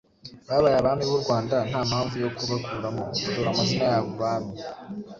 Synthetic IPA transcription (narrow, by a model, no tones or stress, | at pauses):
βaːβaɾaβaːmiβuɾɡwaːndan̥haːmhaːɱvujo̞kuβakʰuːɾamoutoɾamazinajaːβoβaːβi